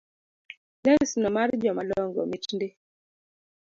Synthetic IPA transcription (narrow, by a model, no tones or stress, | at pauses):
lɛɾisnɔmaɾd͡ʒɔmalɔŋɡɔ̰mit͡ʃnde